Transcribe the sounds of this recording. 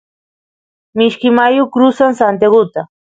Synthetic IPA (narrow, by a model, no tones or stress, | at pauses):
mɪʃkɪmajokɾʊsaŋsant̪̬eɢʊt̪a